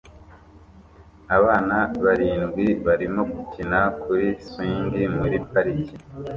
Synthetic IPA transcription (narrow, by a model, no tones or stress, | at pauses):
aβaːnaβaɾiːnɡwiβaɾimo̞ɡucinakʰuɾisiːndimuɾipaɾici